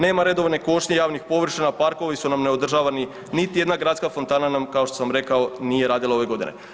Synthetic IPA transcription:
ne̞ːmaɾe̞d̪o̞ʋneko̞ʃɲejaːʋnixpo̞ʋr̩ʃinapaɾko̞ʋisunamne̞o̞d̪r̩ʒaʋani | nit̪ije̞d̪naɡɾaːt̪skafo̞nt̪aːnanamkao̞ʃt̪o̥samɾe̞kao̞nije̞ɾaːd̪ilaoʋe̞ɡo̞d̪inḛ

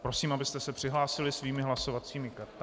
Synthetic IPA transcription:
pɾo̞siːmabɪst̪ɛsɛpr̥ɪɦlaːsɪlɪsviːmɪɦlaso̞vat͡siːmɪkaɾt̪

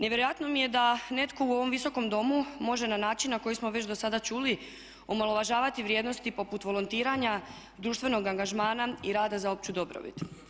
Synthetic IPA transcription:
neʋjeɾojat̪no̞mije̞d̪ane̞t̪ko̞uo̞ʋo̞mʋiso̞ko̞md̪o̞mumo̞ʒe̞nanaːt͡ʃinːako̞jismo̞ʋe̞t͡ʃd̪o̞sad̪at͡ʃuli | omalˠo̞ʋaʒaːʋat̪iʋɾjed̪no̞st̪ipo̞put̪ʋo̞lˠont̪iːɾaɲa | d̪ɾuːʃt̪ʋe̞no̞ɡaŋɡaʒmaːnaiɾaːd̪azao̞pt͡ɕud̪o̞bɾo̰bḭt̪

